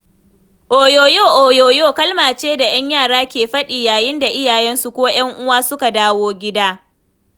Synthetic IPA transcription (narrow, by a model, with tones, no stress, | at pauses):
ʔoː˨joː˨joː˦˨ʔoː˨joː˨joː˦˨kɐ˦lmaː˨t͡ʃeː˦da˨j̰ɐ˦ɲjaː˦˨ɽaː˦kʲeː˨ɸɐ˦ɗi˨jaː˨jɪ˦nda˨ʔɪ˦jaː˨jɛ˦nsu˨koː˦j̰ɐ˦ŋʔʊ˦waː˦sʊ˦ka˨daː˦woː˦ɡʲɪ˦daː˦